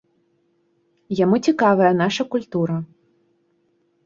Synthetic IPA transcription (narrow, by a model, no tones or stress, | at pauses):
jamut͡sʲikavɐjɐnaʂɐkulʲt̪uɾɐ